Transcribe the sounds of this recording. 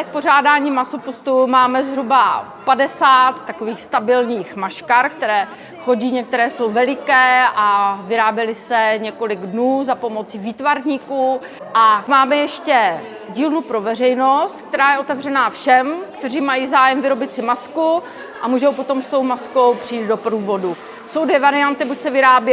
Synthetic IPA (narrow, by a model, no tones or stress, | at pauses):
ɛk̚por̝aːdaːɲiːmasopost̪umaːmɛzɦɾuba | padɛsaːt̪ːako̞viːxst̪abɪlɲiːxmaʃkaɾkt̪ɛɾɛː | xo̞ɟiːɲɛk̚t̪ɛɾɛːso̞wvɛlɪkɛːʔavɪɾaːbjɛlɪsɛɲɛko̞lɪɡdnuːzapo̞mo̞t͡siviːt̪vaɾɲiːkuː | ʔamaːmɛjɛʃcɛ | ɟiːlnupɾo̞vɛr̝ɛjno̞st̪kt̪ɛɾaːjɛʔot̪ɛvr̝ɛnaːfʃɛmkt̪ɛriːmajiːzaːjɛmvɪɾo̞bɪt̪sɪmasku | ʔamuːʒowpo̞t̪o̞mst̪o̞wmasko̞wpr̥iiːt̪̚do̞pɾuːvo̞du | so̞wdvjɛvaɾɪant̪ɪbucsɛvɪɾaːbjɛ